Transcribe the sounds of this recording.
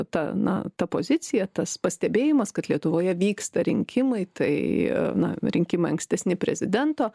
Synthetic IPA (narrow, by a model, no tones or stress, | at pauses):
t̪ɐnɐ̰t̪ɐpoːzʲɪt͡s̪ʲɪjɛt̪ɐspɐsʲt̪ʲɛbʲeːjɪmɐskɐt̪lʲiɛt̪ʊʋoːjɛʋʲiːkst̪ɐɾʲɪŋʲkʲʰɪmɐɪt̪ɐɪnɐ̰ɾʲɪŋʲkʲɪmɐɪɐŋksʲt̪ʲɛsʲnʲɪpʲɾʲɛzʲɪd̪ʲɛnt̪oː